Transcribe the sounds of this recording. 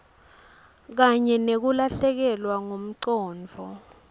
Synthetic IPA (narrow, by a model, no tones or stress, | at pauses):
k̬aɲɛnek̬ulaɬɛk̬ɛlwaŋom̩ǀɔːnd͡vʱɔ